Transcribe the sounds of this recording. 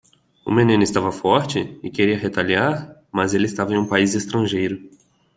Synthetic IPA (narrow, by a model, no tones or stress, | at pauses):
ʊ̰mẽnĩnʊɪst̪avɐfɔɾt͡ʃɪɪkeɾiɐɦet̪aliaɾmɐzelɪst̪avɐẽj̃ũpaizest̪ɾɐ̃ʒejɾʊ